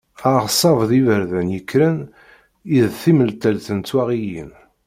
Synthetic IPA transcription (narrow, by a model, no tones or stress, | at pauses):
aʁsˤɑvðivəɾðænjəkːɾən | iðθiməlt̪ælθənt̪ːwæʁijin